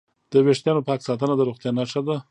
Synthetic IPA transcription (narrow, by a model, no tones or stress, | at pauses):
d̪̥əweʂt̪jɑnopɑksɑt̪ənad̪əɾuxt̪jɑnaʂad̪a